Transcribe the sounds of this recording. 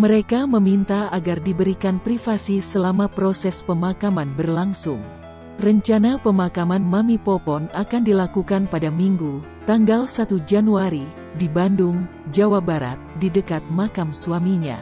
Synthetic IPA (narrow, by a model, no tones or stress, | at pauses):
məɾekaməmint̪aaɡardibəɾikanpɾifasisəlamapɾosɛspəmakamanbərlaŋsʊŋ | rəɲt͡ʃanapəmakamanmamipɔpɔnakandilakukanpadamiŋɡu | t̪aŋɡalsat̪ud͡ʒanuaɾi | dibanduŋd͡ʒawabaɾa̰t̪̚didəkat̪̚makamsuamiɲa̰